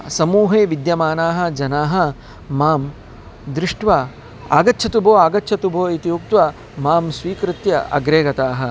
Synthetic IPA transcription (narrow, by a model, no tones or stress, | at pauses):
sɐmuːɦeːʋid̪jɐmaːnaːɦɐ̆d͡ʒɐnaːɦɐ̆ | maːm | d̪ɾɪʂʈʋa | a̰ːɡɐtːʃʰɐt̪ubʱoːaːɡɐtːt͡ʃʰɐt̪ubʱoːit̪ijuk̚t̪ʋɐ | maːmsʋiːkɾɪt̪jɐɐ̰ɡɾeːɡɐt̪aːɦɐ̆